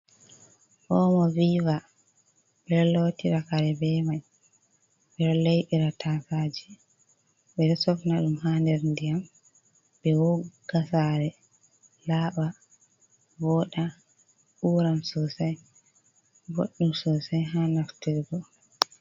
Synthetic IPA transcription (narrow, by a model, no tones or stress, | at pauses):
ʔɔmɔviva | bɛɾlotiɾakaɾɛbɛmaj | ɓɛɾlejɗiɾatʰafaːd͡ʒi | ɓɛɾɛsɔfnaɗumhandɛɾndijam | bɛwɔɡ̥asaɾɛ | laːɓa | vɔɗa | ʔuɾamsɔsaj | bo̰ɗːumsɔsajɦanaftiɾɡɔ